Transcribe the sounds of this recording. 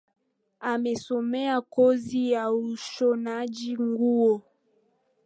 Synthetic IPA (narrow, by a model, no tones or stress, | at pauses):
amesomɛakozijauʃonad͡ʒiŋɡuo